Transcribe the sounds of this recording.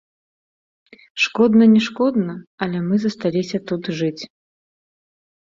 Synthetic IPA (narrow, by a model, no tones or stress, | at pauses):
ʂkɔd̪nɐnʲɛʂkɔd̪nɐɐlʲɛmɨzɐst̪alʲisʲɐt̪ut̪ʐɨt͡sʲ